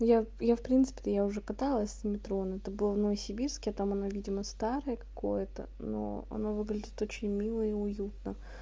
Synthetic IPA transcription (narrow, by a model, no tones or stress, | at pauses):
jajafpɾʲint̪sɨ̥pʲɪ̥t̪əjaʊʐɛkɐt̪alˠəsʲsmʲɪt̪ɾo̞nɛt̪əbɨlˠəvnəvəsʲɪbʲirskʲɪɐt̪amɐnavʲidʲɪməst̪aɾəjəkɐ̥ko̞̰jət̪ə̰no̰ɐ̰novɨɡlʲɪdʲɪt̪o̞t͡ɕɪnʲmʲilˠəiʊjut̪̚nə